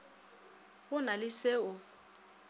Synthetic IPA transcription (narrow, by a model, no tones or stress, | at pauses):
ɣʊnalɪseʊ